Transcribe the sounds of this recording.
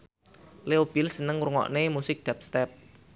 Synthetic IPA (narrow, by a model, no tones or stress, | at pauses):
leob̥ɪlsənəŋɾuŋɔ̰ʔnemusɪk̚d̪̥ap̚st̪ɛp̚